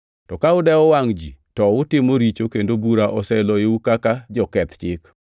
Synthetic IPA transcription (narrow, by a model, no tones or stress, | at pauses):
tɔkaʊdɛɔwaŋd͡ʒḭtɔʊtɪmɔɾit͡ʃokendobuɾaʔɔsɛlɔeukakad͡ʒɔkɛt̪t͡ʃɪk